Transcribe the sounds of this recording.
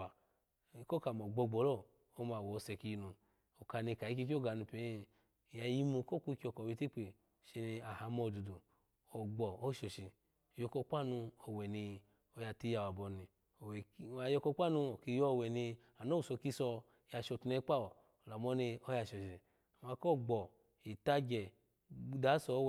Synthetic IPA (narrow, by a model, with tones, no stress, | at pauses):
a˨ | ko˦ka˨mɔ˨ɡ͡bɔ˧˨ɡ͡bɔ˨lɔ˦ | o˦ma˨wɔ˨˧sɛ˧˨ki˧ji˧nu˧ | o˨ka˧ni˧˨ka˨i˧ki˧k̬i˦o˦ɡa˨nu˧˨pe˨˦˧ | ja˧ji˧mu˧ko˦ku˧˦˧ki˦o˧˨kɔ˨wi˧ti˦k͡pe˨ | ʃe˧ni˧a˨ha˧˨˦mɔ˧˨du˨du˨ | o˨ɡ͡bɔ˨o˦ʃo˨ʃi˨ | jo˧ko˧k͡pa˦nu˧ɔ˨wɛ˨ni˧ | o˧ja˧ti˦˧˦ja˧wa˨bɔ˧˨ni˧˨ | wa˨jɔ˧kɔ˧˦k͡pa˦˨nu˧o˨ki˧˨jɔ˦˨wɛ˨ni˧ | a˨no˦u˨sɔ˧ki˧sɔ˧˨ | ja˧ʃo˧˨tu˧ne˧˦k͡pa˦ɔ˨ | la˨mɔ˦ni˧o˧˦ja˧˨ʃɔ˨ʃi˨ | a˨ma˧kɔ˦˨ɡ͡bɔ˨ | i˨ta˧d͡ʒɛ˨ | da˨˦sɔ˧˦w